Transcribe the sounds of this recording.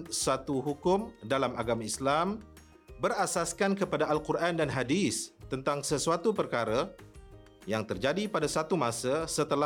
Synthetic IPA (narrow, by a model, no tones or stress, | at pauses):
sat̪uɦukʊmdalamaɡamãislam | bəɾasaskankəpadaːlkuɾʔandanɦadist̪ənt̪aŋsəsuat̪upərkaɾə | jaŋt̪ərd͡ʒadipadasat̪umãsəsət̪əla